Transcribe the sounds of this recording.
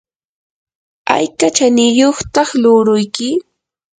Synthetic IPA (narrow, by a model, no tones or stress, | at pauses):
a̰jkat͡ʃanɪjoχt̪ɑχlʊɾʊjkɪ